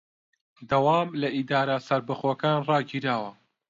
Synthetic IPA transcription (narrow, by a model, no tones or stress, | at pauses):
d̪ɐwaːmlɐʔid̪aːɾasɐɾbɨχwɐkaːnrɑːɡiɾaːwɐ